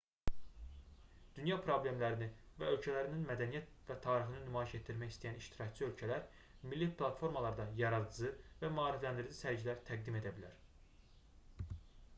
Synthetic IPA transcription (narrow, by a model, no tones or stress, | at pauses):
d̪̥ynjɑpʰɾo̞blʲe̞mlæɾini | væ̰ø̞lcʰælæɾininmæd̪ænijæt̪̚ | væt̪ʰɑːɾixɯnɯnymɑːiʃe̞t̪ʰːiɾmæçist̪æjæniʃt̪ʰiɾɑct͡ʃʰɯø̞lcʰælæɾ | milːipʰlˠɑt̪fo̞ɾmɑlˠɑɾd̪ɑjɑɾɑd̪ɯzɯvæmɑːɾiflænd̪iɾd͡ʒisæɾd͡ʒilæɾt̪ʰæɡ̚d̪ime̞d̪æbilæɾ